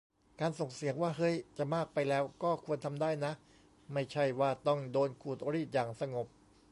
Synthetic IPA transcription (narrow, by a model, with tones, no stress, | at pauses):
kaː˧nso˨˩ŋsi˨˦əŋwaː˥˩ɦɤ˦˥jt͡ɕa˨˩maː˥˩k̚pa˧jlɛː˦˥wkɔː˥˩kʰu˧ənt̪ʰa˧mdaː˥˩jna˦˥ʔ | ma˥˩jt͡ɕʰa˥˩jwaː˥˩t̪ɔ˥˩ŋdoː˧nkʰuː˨˩t̪̚o˧ɾiː˥˩t̪̚jaː˨˩ŋsa˧ŋo˨˩p̚